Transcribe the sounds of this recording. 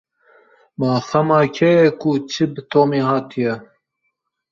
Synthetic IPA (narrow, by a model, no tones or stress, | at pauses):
mɑːxɐmɑːkʰɛjɛkut͡ʃʰɨbɨt̪ʰoːmeːhɑːt̪ʰijɛ